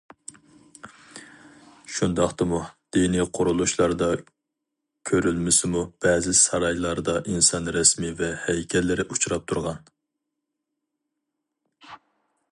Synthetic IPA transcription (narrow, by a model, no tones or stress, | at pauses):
ʃund̪ɑχt̪ɨmud̪̥iniqʰʊɾulˠuʃlˠɑɾd̪ɑ | kʲʰøɾylmɪsɪmub̥ɛːzɪsɑɾɑjlˠɑɾd̪ɑʔinsɑnɾɛsmivɛhɛjkʲʰɛlːɪɾɪʔut͡ʃuɾɑp̚t̪ʰuɾʁɑn